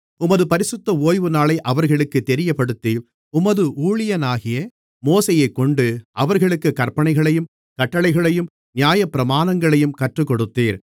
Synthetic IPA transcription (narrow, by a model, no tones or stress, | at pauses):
ʊmɐðɯpɐɾɪsɯt̪ːɐoːjʋɯnaːɭɐɪʔɐʋɐɾɣɐɭɯkːɯt̪ːɛɾɪjɐpːɐɽɯt̪ːiːl | ʊmɐðɯʔuːɭɪjɐnaːɣɪjɐ | moːsɐjɐɪkːɔɳɖɯʔɐʋɐɾɣɐɭɯkːɯkɐɾpɐɳɐɪɣɐɭɐjɯm | kɐʈːɐɭɐɪɣɐɭɐjɯm | nɪjaːjɐpːɪɾɐmaːnɐŋɡɐɭɐjɯmkɐʈrɯkːɔɽɯt̪ːiːɾ